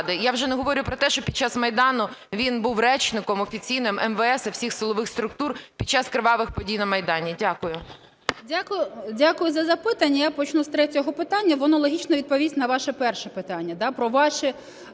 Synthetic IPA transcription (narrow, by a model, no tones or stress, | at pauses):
d̪ɪjawʒɛnɛɦɔʋɔɾʲʊpɾɔt̪ɛʃt͡ʃɔpʲid̥̪̚t͡ʃːɑsmɐjd̪ɑnʊʋʲinbuwrɛt͡ʃnɪkɔmɔfʲit͡sʲijnɪmʔɛmʋɛɛsɐwsʲixsɨlˠɔʋɪxst̪ɾʊk̚t̪urpʲid̚t͡ʃɑskɾeʋɑʋɪxpɔdʲijnɐmɐjd̪ɑnʲidʲakʊjʊ | dʲakʊjʊdʲakʊjʊzɐzɐpɪt̪ɐnʲːɐjapɔt͡ʃnust̪ɾɛtʲɔɦɔpɪt̪ɑnʲːɐʋɔnɔlˠɔɦʲit͡ʃnɔʋʲid̪̚pɔʋʲisʲtʲnɐʋɑʃɛpɛrʃɛpɪt̪ɑnʲːɐd̪ɑpɾɔʋɑʃɛ